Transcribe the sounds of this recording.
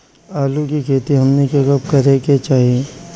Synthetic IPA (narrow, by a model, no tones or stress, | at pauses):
aːlukikʰeːt̪iɦɐmnekekɐbkɐɾeket͡ʃaːɦie